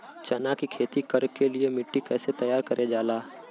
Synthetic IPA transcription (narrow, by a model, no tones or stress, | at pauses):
t͡ʃɐnakikʰeːt̪ikɐɾkeliemɪʈːikɛːset̪ɐjaːɾkɐɾʔed͡ʒaːlaː